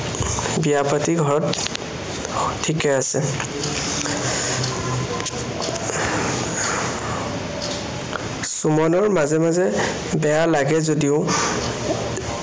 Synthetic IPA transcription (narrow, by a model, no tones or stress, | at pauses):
bijapatiɡʱɔɹɔt | tʰːikɛasɛ | sumɔnɔɹmazɛmazɛ | bɛjalaɡɛzodiʊ